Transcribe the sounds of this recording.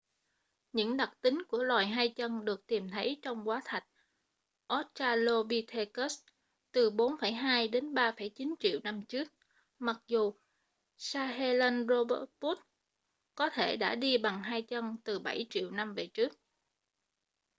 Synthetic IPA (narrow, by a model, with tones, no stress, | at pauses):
ɲɨ̰˧˥ŋɗa˨˩k̚t̪ï˨˦ŋ̟ku˧˩əlwaː˨˩jɦaː˧jt͡ɕə˧nɗɨ˨˩ək̚t̪i˨˩mt̪ʰə˨˦jt͡ɕɔ˧wŋ͡mkwaː˨˦t̪ʰa˨˩jk̟̚ | ʔo˦˥t̚t͡ɕaː˧lo˧ɓi˧t̪ʰe˧kə˦˥s | t̪ɨ˨˩ɓo˨˦nfə˧˩jɦaː˧jɗe˨˦nɓaː˧fə˧˩jt͡ɕi˨˦nt͡ɕḭ˧˨əwna˧mt͡ɕɨ˦˥ək̚ | ma˨˩k̚zu˨˩ | saː˧ɦe˧lə˧nzo˧ɓə˧˥t̚pu˦˥t̚ | kɔ˨˦t̪ʰe˧˩ɗa̰ː˧˥ɗi˧ɓa˨˩ŋɦaː˧jt͡ɕə˧nt̪ɨ˨˩ɓa˧˩jt͡ɕḭ˧˨wna˧mve˨˩t͡ɕɨ˦˥ək̚